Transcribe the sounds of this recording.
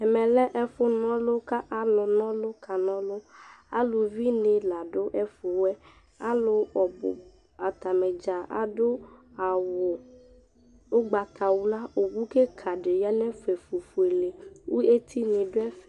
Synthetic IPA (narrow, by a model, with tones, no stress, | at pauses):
ɛ˨mɛ̃˨lɛ˦ʔɛ˦fʊ˦nɔ̃˦lo˦ka˦ʔa˨lʊ˨nɔ̃˦lo˦kʰa˨nɔ̃˦lo˦a˦lo˨vi˦nẽ˨la˨ɖo˦ʔɛ˦fo˨wɛ˦ | a˦lo˨ɔ˨bʊ̰˨ | a˨t̪a˨mɛ̃˨d͡ʒa˨a̰˨ɖo˦a˨wʊ˨ | o˦ɡ͡ba˨t̪ʰa˨wo˦la˦o˨ɡu˦ke˦kʰa˨ɖe˨ja˦nɛ̃˦fe˨fu˨fu˨e˨le˨wu˦e˦t̪ʰi˦nẽ˨ɖo˦ɛ˦f